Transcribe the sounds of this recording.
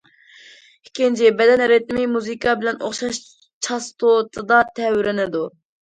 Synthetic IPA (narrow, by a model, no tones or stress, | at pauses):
ikʲint͡ʃʰɪbɛd̪ɛnɦɛɾɪt̪ɪmɪmuzɨkʰɑbɪlɛno̰χʃɑʃ | t͡ʃʰɑst̪ʰot̪ʰɨd̪ɑt̪ʰɛwɪɾɪnɪd̪u